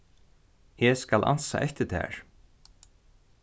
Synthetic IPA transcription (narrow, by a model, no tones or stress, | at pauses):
hɛskalʔa̰nsa̰ʔɛht̪ɪt̪ʰɛ̰ːɹ̥